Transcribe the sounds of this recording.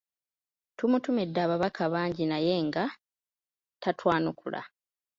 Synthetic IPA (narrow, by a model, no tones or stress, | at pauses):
tumutumedːaːβaβakʰaβaːɲɟinaje̞ːŋɡa | tatʰwaːnukula̰